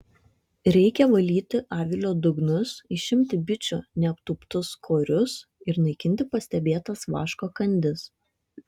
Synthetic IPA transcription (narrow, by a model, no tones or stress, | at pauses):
ɾʲɛɪkʲɛʋɐlʲiːt̪ʲɪʔɑːʋʲɪlʲoːd̪ʊɡnʊsɪʃʲɪmʲt̪ʲɪbʲɪt͡ʃʲʊnʲɛɐpt̪uːpt̪ʊskʰoːɾʲʊs | ɪɾnɐɪkʲɪnʲt̪ʲɪpɐsʲt̪ʲɛbʲeːt̪ɐsʋɑ̰ːʃkoːkɐnʲd̪ʲɪs